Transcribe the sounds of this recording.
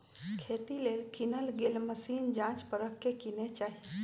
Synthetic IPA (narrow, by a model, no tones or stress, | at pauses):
kʰeːt̪ileːlkinəlɡeːlməsiːnd͡ʒãːt͡ʃpəɾəkːekinet͡ʃaːɦi